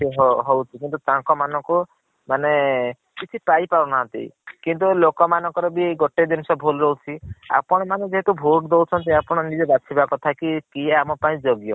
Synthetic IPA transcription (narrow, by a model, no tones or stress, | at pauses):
ɦɦowt͡ʃʰikint̪̬ut̪ãŋkɔmanɔŋku | mane | kit͡ʃʰipajpaɾɔnaɦnt̪ḛj̰kint̪̬ulokɔmanɔŋkɔɾɔbieɡɔʈed̪insɔbʱolɾɔut͡ʃʰia̰pɔɽ̃ɔmaned͡ʒeɦet̪ubʱoʈd̪owt͡ʃʰɔnt̪eapɔɽ̃ɔnid͡ʒɔbasʰibakɔt̪ʰakikieamɔpaĩd͡ʒɔɡjɔ